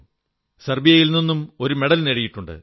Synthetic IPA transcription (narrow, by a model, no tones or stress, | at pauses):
sɐrbijɐjilninːumo̞ɾumeɽɐlneɽijiʈːuɳɖɨ̰